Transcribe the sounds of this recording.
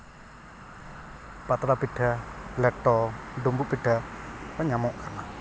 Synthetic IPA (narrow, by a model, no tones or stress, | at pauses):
pat̪ɾab̥i̤ɖ̥a̤lɛʈɔɳɖumbuʔb̥iɖ̥a̤pəɲamɔkan